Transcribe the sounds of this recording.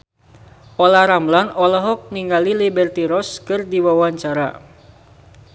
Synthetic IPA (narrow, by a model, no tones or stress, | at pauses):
ɔlaɾamlanɔlɔɦɔk̚niŋɡalilibɛrt̪iɾɔskɨrdiwawaɲt͡ʃaɾa̰